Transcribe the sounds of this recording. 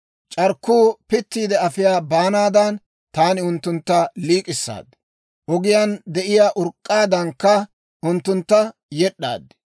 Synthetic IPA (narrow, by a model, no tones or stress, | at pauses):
t͡ʃʼɐɾkːuːpɪt̪ːiːd̪ɛɐfɪjaːbaːnaːd̪ɐn | t̪aːnɪʊnt̪ːʊnt̪ːɐliːkʼɪsːa̰ːd̪ | ʔɔɡɪjand̪ɛʔɪjaːʔʊɾkʼːaːd̪ɐŋkːɐ | ʔʊnt̪ːʊnt̪ːɐjɛɗːa̰ːd̪ɛ